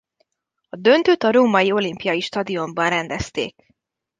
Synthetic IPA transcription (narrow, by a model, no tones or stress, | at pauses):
ɒd̪ø̞nt̪øt̪ɒɾoːmɒjio̞limpijɒjiʃt̪ɒd̪io̞mbɒnrɛnd̪ɛst̪ḛːk